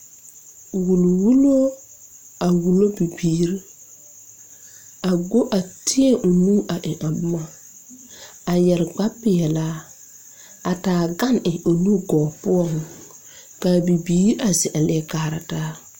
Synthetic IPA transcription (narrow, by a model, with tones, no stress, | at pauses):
wu˨lwu˦lo˦ | a˨wu˨lo˦bi˨biː˨˦ɾ | a˨ɡo˦ʔa˨tʰɪ˦ɛ˦ʔʊ˨nuː˦ʔa˨ʔɪ˨ʔa˨bʊ˦ma˨ | a˨jɛ˨ɾɡ͡ba˦pɪ˨ɛ˨la˦ | a˨taː˨ɡa˦nɪ˨ʔo˨lu˦ɡɔː˨pʊ˦ɔ˦˨ŋ | ka˨bi˨biː˦ɾa˨zɪ˨ʔa˨lɛ˦kaː˦˨ɾa˨taː˦